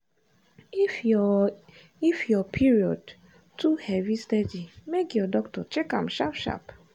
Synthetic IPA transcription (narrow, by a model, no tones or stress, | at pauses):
f | ifjɔpʰiɹiɔd | tuhɛvistɛdimekjɔdɔktɔt͡ʃɛkã̰mʃapʃa̰p